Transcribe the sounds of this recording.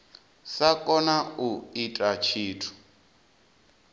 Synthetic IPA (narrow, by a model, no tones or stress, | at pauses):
sakʼɔnauitʼat͡ʃʰiːtʰu̥